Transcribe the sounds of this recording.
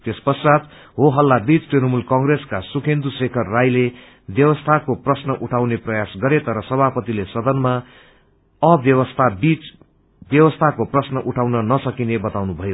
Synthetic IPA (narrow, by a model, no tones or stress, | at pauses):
t̪espʌrsad̪ | ɦoɦʌlːabit͡sʈrinʌmulkʌŋɡreskasukʰend̪usekʰʌrːajle | bjʌwʌst̪ʰakoprʌsnʌʔuʈʰawneprʌjasɡʌɾet̪ʌɾʌsʌbʱapʌt̪ilesʌd̪ʌnma | ʌbjʌwʌst̪ʰabit͡s | bjʌwʌst̪ʰakoprʌsnʌʔuʈʰawnʌnʌsʌkinebʌt̪awnubʱʌjo